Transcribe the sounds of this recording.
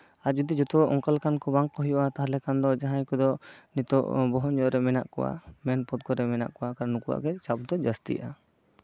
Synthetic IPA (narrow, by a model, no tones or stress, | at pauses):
ad͡ʒud̪id͡ʒɔt̪uɔʔɔŋkalkankɔbaŋkɔɦɔjuʔat̪aɦlɛkand̪ɔd͡ʒaɦaɲkɔd̪ɔnit̪ɔʔbɔɦɔnd͡ʒɔʔɾɛmɛna̰ʔkɔwa̰mɛnpɔt̪̚kɔɾɛmɛna̰ʔkɔwakaɾanukuʔa̰ʔɡɛt͡ʃap̚d̪ɔd͡ʒast̪ḭʔa